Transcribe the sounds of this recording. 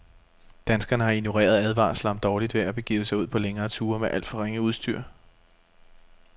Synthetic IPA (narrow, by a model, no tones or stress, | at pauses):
d̥ænsɡ̥ɐnəɦɑ̈ino̝ʁḛːɐð̞ˠæðˠʋɑ̰̈ːslɑ̈md̥ɒːlid̥ʋe̝æb̥e̝ɡ̥ḭːʊəsɑ̈ɪuð̰ˠpʰɒ̽leŋɐːt͡sʰuːɐmeʔæl̰d̥fɒ̽ʁeŋ̰əuð̞ˠsd̥yɐ̰